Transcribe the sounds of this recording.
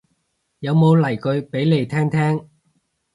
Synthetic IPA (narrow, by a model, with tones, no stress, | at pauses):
jɐ˨˧wmo˨˧wlɐ˨˩jkɵ˨˧ɥpe˨˥jle˨˧jt̪ʰɛː˥ŋt̪ʰɛː˥ŋ